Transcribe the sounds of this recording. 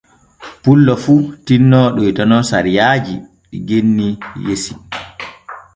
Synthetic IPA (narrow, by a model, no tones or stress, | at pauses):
pulːɔfutinːɔɗɔjtɔnɔsa̰ɾijaːd͡ʒi | ɗiɡenːijesi